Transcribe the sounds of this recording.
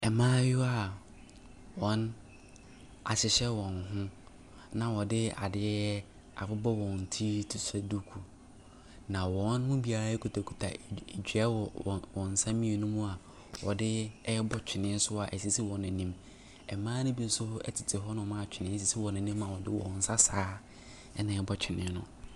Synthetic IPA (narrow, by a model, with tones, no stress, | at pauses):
ɛ˨mãː˦jʊ˦a˦˨ | wɔ̃˨˦n | a̰˨ɕɪ˨ɕɛ˦wɔ̃˨nɦʊ̃˦ | nã˨wɔ˨dɪ˦a̰˨dɪ˦ɛ˦ɛ˦ | a̰˨fʊ˦bɔ˦wɔ̃˨n˨tʰi˦tʰʊ˨sɛ˦du˦kʰu˨ | nã˨wɔ̃˨˦nmʊ̃˦bi˦a˨ɾa˦ɛ˦kʰu˨tʰa˨kʰu˨tʰa˨d͡ʑᶣɥɛ˦˨wɔ̃˨n̩˨sã˦mĩ˦e˨nʊ̃˦mũ˦a˨ | wɔ̰˨dɪ˦bɔ˦t͡ɕᶣʰɪ˨nɪ̃˦n̩˦sʊ˦a˨ʔɛ˨si˨si˦wɔ̃˨nɛ̃˨nĩ˦m | ɛ˨mãː˦nʊ̃˦bi˦n̩˦sʊ˦hʊ˦ɛ̰˦tʰɪ˨tʰɪ˨ɦɔ˦nʊ̃˨mã˦˨t͡ɕᶣʰɪ˨nɪ̃˦s̬i˨si˦wɔ̃˨nɛ̃˨nĩ˦mã˨wɔ˨dɪ˦wɔ̰̃˨n̩˨sa˦saː˦ | ɛ˦nã˨ɛ˨˦bɔ˦t͡ɕᶣʰɪ˨nɪ̃˨˦nʊ̰̃˦